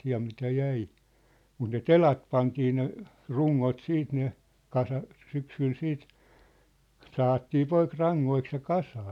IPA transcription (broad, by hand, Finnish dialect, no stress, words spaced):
jɑ mitæ jæi mut ne telɑt pɑntiː ne ruŋːot siːt ne kɑsɑs syksyl siːt sɑhɑtːiː poik rɑŋːoiks jɑ kɑsɑː